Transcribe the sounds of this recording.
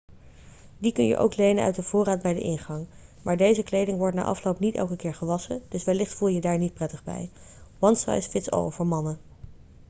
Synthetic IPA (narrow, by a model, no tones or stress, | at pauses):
dikɵnjə̰ʔo̰wklejnənœ̰ɥtdəv̥ʊːraːdbɛjdə̰ʔɪnχɑŋmaːɹdejzəklejdɪŋʋɔɹtna̰ːʔɑ̰flowpnitɛ̰lˠkəkɪːɹχəʋɑsəd̥ɵsʋɛlɪχtfulˠjədaːɹnit̚prɛtəχbɛ̰j | ʋɑnsɑ̰jsfɪtsɑ̰lˠvəɹmɑnə